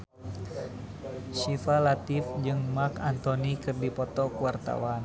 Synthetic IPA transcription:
sifalat̪ifd͡ʒɨŋmarkant̪ɔnikɨrdipɔt̪ɔkuwart̪a̰wan

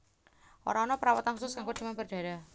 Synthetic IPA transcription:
o̰ɾaɔnɔpəɾawat̪anxusʊskaŋɡot͡ʃimanbərd̪̥a̤ɾa

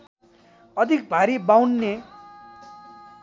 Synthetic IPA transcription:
ʌd̪ʱik̚bʱaɾibawnːe

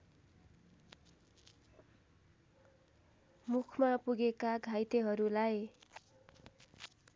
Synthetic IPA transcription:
mukʰmapuɡekaɡʱajt̪eɦʌɾulaj

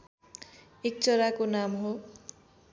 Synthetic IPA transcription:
ek̚t͡sʌɾakonamɦo

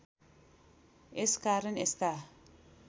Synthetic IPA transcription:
eskaɾenesta

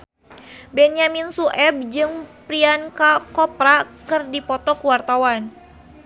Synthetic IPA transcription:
bɛnjaminsuʔɛb̚d͡ʒɨŋpɾiankakɔpɾakɨrdipɔt̪ɔkəwart̪awan

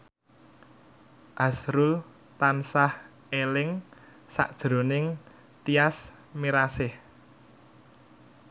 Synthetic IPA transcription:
ʔasɾʊl | t̪ansah | elɪŋ | sa̰ʔd̥ʒ̥ɾo̤nɪŋ | t̪ias | miɾasɪh

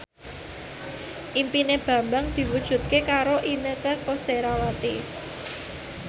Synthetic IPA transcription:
ʔimpineb̥ä̤mbaŋd̪̥i̤wud̥ʒ̥ṳt̪̚kekaɾoʔinəkəkoseɾawat̪i

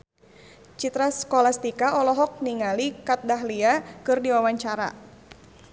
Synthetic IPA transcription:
t͡ʃit̪ɾaskɔlast̪ikaɔlɔɦɔk̚niŋalikat̪̚daɦliakɨrdiwawaɲt͡ʃaɾa̰

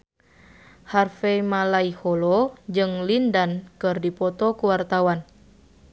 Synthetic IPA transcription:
harfɛmalaihɔlɔd͡ʒɨŋlindankɨrdipɔt̪ɔkuwart̪awan

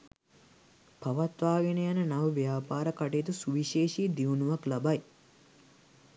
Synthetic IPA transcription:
paʋat̪ʋaːɡenejanənaʋəʋjaːpaːɾəkaʈeːt̪usuʋiʃeːʃiːd̪iʋunuʋaklabaj

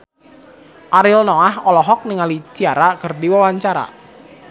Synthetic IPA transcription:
ʔaɾɪlnɔahɔlɔɦɔk̚niŋalit͡ʃiaɾakərdiwawaɲt͡ʃaɾa̰

